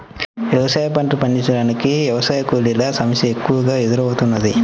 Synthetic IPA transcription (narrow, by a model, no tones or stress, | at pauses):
ʋjɐʋɐsaːjɐpɐɳʈupɐɳɖit͡ʃːɐɽaːnikiʋjɐʋɐsaːjɐkuːlilɐsɐmɐsjɐekːuʋɐɡaːed̪uɾɐʋut̪unːɐd̪i